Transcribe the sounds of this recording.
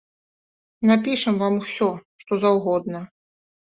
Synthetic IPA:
napʲiʂɐmvamusʲɔʂt̪ɔzawɣɔd̪nɐ

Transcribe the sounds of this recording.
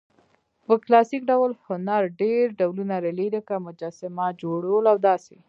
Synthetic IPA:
pəklɑsikɖawlhʊnaɾɖeɾɖawlunaɾaleɾəkamʊd͡ʒasɪmad͡ʒoɽəlawd̪ɑse

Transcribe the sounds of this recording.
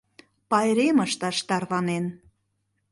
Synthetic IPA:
pɑjɾeməʃt̪ɑʃt̪ɑrβɑnen

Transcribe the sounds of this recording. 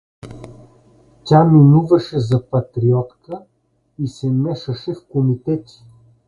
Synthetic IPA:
t̪ʲaminuvɐʃɛzɐpɐt̪ɾiɔt̪kə | isɛmɛʃəʃɛfkomit̪ɛt̪i̥

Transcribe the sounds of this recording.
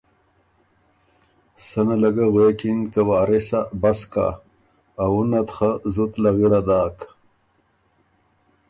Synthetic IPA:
sanalɐɡaɣweːkinkawaːɾesabaska̰ː | wunat̪χazut̪laɣiɽad̪aːk

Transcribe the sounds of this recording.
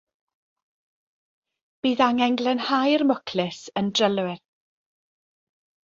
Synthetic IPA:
b̥iːðaŋɛŋɡlˠɛnhajrmɔkʰlɪsəndrəlˠwɪr

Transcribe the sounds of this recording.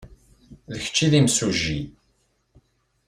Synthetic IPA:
ðəçə̥t͡ʃːiðimsuʒːi

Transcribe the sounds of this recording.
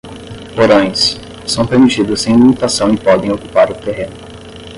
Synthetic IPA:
poɾõj̃sː | ɐ̃w̃peɾmit͡ʃid̪ʊsẽj̃limit̪asɐ̃w̃ɪpɔd̪ẽj̃okupaɾʊt̪eɦẽnʊ

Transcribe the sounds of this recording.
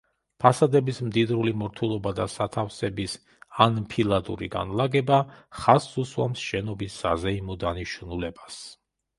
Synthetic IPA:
pʰasad̪ɛbismd̪id̪ɾulimɔɾt̪ʰulˠɔbad̪asat̪ʰafsɛbis | anpʰilˠad̪ṵɾḭɡa̰nlˠaɡɛbaχasuswa̰msʃɛnɔbisazɛimɔd̪aniʃnulɛbas

